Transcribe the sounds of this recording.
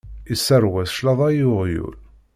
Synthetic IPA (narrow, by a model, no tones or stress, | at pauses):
isːəɾwæθʃlɑðˤæjʊʁjṵl